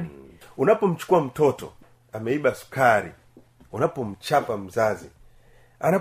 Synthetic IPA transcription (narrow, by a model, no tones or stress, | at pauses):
unapɔm̩t͡ʃu̥kuwam̩tʰɔtɔ̰ | amaiɓasu̥kʰaɾḭ | unapɔm̩t͡ʃapam̩zazi | ana